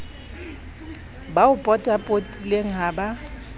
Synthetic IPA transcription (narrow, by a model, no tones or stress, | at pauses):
baʊpʼɔtʼapʼotʼileŋ̩ɦaːba